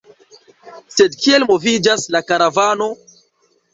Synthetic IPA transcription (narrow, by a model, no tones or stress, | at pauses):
se̞dkie̞lmo̞vid͡ʒaslakaɾavano̞